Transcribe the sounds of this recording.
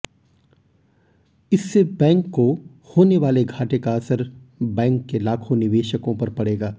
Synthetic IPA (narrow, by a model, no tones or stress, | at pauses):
ɪsːebɛ̃ːŋkːo | hoːneʋaːleɡʱaːʈekaɐsəɾbɛ̃ːŋkːelaːkʰonɪʋeːʃəkõpɐɾpɐɽeːɡaː